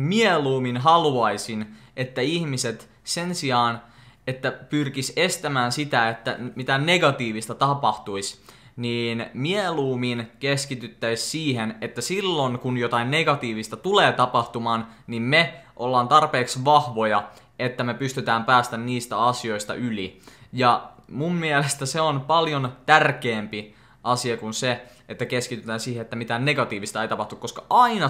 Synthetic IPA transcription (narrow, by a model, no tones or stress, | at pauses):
mieluːminɦɑluɑisinet̪ːæiçmiset̪ | sensiɑːnet̪ːæpyrkise̞st̪æmæːnsit̪æet̪ːæmit̪æne̞ɡɑt̪iːʋist̪ɑt̪ɑpɑht̪uis | niːnmieluːminkeskit̪yt̪ːæissiːhenet̪ːæsilːo̞ŋkunjot̪ɑinːeɡɑt̪iːʋist̪ɑt̪uleːt̪ɑpɑht̪umɑːnnimmeʔolːɑːnt̪ɑrpeːksʋɑhʋo̞jɑ | et̪ːæmepyst̪yt̪æːmpæːst̪ænniːst̪æɑsio̞ist̪ɑ̰ʔylijɑmumːielest̪æseonpɑljont̪ærkeːmpi | ʔɑsiɑkunse | et̪ːækeskit̪yt̪æːnsiːheet̪ːæmit̪ænneɡɑt̪iːʋist̪ɑeit̪ɑpɑht̪ukːoskɑʔɑinɑ